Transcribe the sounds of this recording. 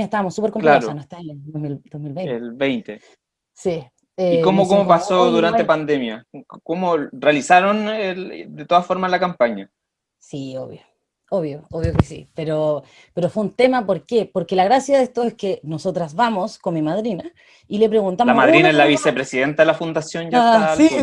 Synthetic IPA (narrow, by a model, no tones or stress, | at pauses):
est̪aβamosːupeɾkomklɾsanoet̪aomild̪osmilβejnelβejnt̪e | si | eikomokomopasoðuɾanepand̪emjakomorealisaɾoneld̪et̪oðafoɾmaslakampaɲa | sio̰βjo | oβjooβjokesḭpeɾo | pe̞ɾofweunt̪e̞mapoɾkepoɾkelaɣɾasjaðest̪oeskenosot̪ɾasβamoskonmimað̞ɾina | ile̞pɾe̞ɣunt̪amamaðɾinnaezlaβisepɾesiðent̪aðelafund̪asjonjaaa